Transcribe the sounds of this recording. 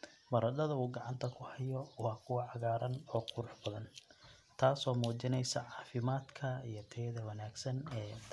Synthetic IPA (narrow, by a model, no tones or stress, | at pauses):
mɐɾɐdɐðɐuːɡɑʕɑnt̪ʰɐkʰʊhɐjɔwɑːkʰʊwɑʕɑɣaːɾɐnɔːqʰʊɾʊħbɐðɐn | t̪ʰaːsɔːmuːt͡ʃɪnɛjsɐʕɑːfɪmaːd̪kʰɐḭjɞt̪ʰɛðɐwɑnaːɡsɐnɛː